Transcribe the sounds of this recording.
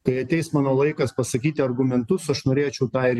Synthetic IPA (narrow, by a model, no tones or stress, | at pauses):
kɐɪɐt̪ʲɛɪsmɑːnoːlˠɐɪkɐspɐsɐkʲiːt̪ʲɪɐɾɡʊmʲɛnt̪ʊsɐʃnoːɾʲeːt͡ʃʲɛʊt̪ɑːɪɾʲ